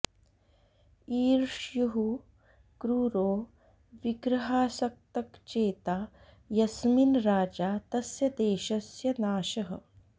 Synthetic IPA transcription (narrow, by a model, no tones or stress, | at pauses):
iːɾʂjuɦu | kɾuɾoː | ʋiɡɾɐɦaːsɐk̚t̪ɐkt͡ʃeːt̪aː | jɐsminɾaːd͡ʒaːt̪ɐsjɐd̪eːʃɐsjɐnaːʃɐɦɐ̰